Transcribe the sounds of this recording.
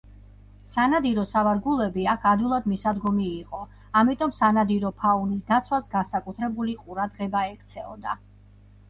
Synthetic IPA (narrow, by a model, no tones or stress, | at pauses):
sanad̪iɾɔsavaɾɡulˠɛbiakʰad̪ilˠad̪misad̪ɡɔmiːqʼɔ | amit̪ʼɔmsanad̪iɾɔpʰaunisd̪at̪sʰwasɡansakʼut̪ʰɾɛbuliqʼuɾad̪ʁɛbaɛkʰt̪sʰɛɔ̰d̪a̰